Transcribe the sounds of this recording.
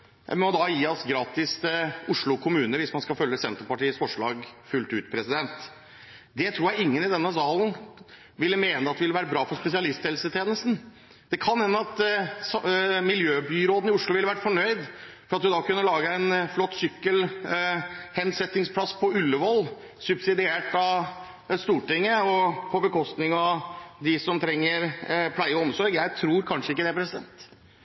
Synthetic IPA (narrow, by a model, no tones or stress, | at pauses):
jæ̰ɪmɔd̪ɑjiːɑsɡɾɑːt̪ɪst̪ʰʊʂɭʊkʰʊmʉːnəʋɪsmɑnskɑfœlːəsɛnt̪ɾəpɑʈiːəsfɔʂɭɑːɡfʉlt̪ʉːt̪pʰɾɛsɪd̪ɛnt̪ | d̪ɛt̪ʰɾuːɾjæɪɪŋːənɪd̪ɛnːəsɑːln̩ | ʋɪlːəmeːnəɑt̪d̪ʋɪləʋæːɾəbɾɑːfɔɾspɛsɪɑlɪst̪ʰhɛlsət̪ʰjeːnəst̪n̩ | d̪̥ɛkʰɑnhɛnːəɑt̪ | mɪljøːbyːɾoːd̪n̩ɪʊʂlʊʋɪləʋæʈfɔɳœʏd̪fɔɾɑt̪d̪ʉd̪ɑkʉnːəlɑːɡəɛnflɔt̪ːsʏkːəl | hɛnsɛt̪ːɪŋspʰlɑsːpʰɔʉlːəʋɔlː | sʉbsɪd̪ɪeːʈɑ | st̪uːʈɪŋːəɔpʰɔbəkʰɔst̪nɪŋɑʋd̪ɪsɔmt̪ʰɾɛŋːəɾpʰlæɪəɔɔmsɔɾɡjæɪt̪ʰɾuːɾkʰɑnʂəɪkːəd̪ɛæɾpɾɛsɪd̪ɛ̰nt̪